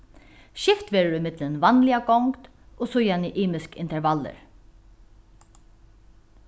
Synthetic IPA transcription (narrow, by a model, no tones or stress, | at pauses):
ʃɪft̪ʋeːɹəɹɪmɪt̪lənvanlɪaɡɔŋkt̪ | oːsʊjanɪʔiːmɪskɪ̰nt̪ɛɹvalə̰ɹ